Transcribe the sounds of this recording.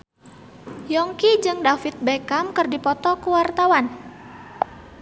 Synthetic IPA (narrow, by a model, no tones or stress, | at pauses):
jɔŋkid͡ʒɨŋdafit̪̚bekamkərdipɔt̪ɔkuwart̪awan